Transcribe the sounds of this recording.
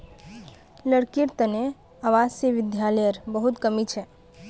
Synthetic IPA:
ləɽkiɾt̪əne | aʋad͡ʒseʋid̪jaləjəɾbəɦut̪kəmit͡ʃʰɛ

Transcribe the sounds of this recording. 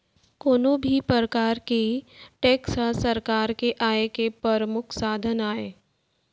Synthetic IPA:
koːnõbʱipɾəɾəkaːɾkeʈɛːksasɐɾkaːɾkeʔaːekepɾɐɾəmʊkʰsaːd̪ʱənaːeː

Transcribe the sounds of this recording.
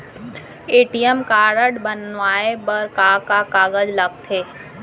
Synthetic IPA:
eːʈijəmkaːɾəɖbənʋaːebəɾkaːkakaːɡəd͡ʒləɡ̚t̪ʰeː

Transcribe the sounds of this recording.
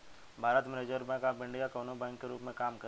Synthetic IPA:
bʱaːɾət̪meɾeːd͡ʒəɾbɛ̃kabɪ̃ɳɖijakoːnõbɛ̃ːŋkːeɾuːpmẽkaːmkɐ

